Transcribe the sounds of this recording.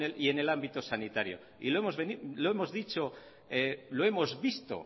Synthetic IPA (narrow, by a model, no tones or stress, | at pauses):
elie̞ne̞lambit̪o̞sanit̪aɾjo̰ | ḭloemozβeniloemozðit͡ʃo̞ | eloe̞mo̞zβist̪o̰